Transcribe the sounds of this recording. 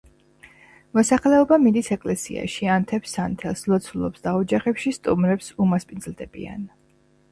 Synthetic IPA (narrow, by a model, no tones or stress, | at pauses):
mɔsaχlɛɔbamid̪isɛkʼlɛsḭa̰ʃiant̪ʰɛpsant̪ʰɛlˠslˠɔt̪sʰulˠɔpsd̪aɔd͡ʒaχɛpʃist̪ʼumɾɛpsumaspʼind̪zlˠd̪ɛbḭa̰n